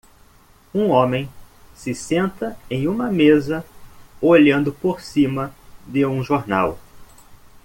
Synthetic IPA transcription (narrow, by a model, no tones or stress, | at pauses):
ũõmẽj̃ | sɪsẽnt̪ɐẽj̃ũmɐmezɐoʎɐ̃nd̪ʊpoɾsĩmɐd̪ɪũʒoɾna̰w